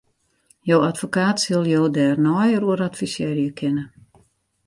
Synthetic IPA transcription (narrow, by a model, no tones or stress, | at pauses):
joːatfokaːtsɪlˠjoːdɛːrnɔjəɾuəɾatfisjɛːrjəkʰɪnə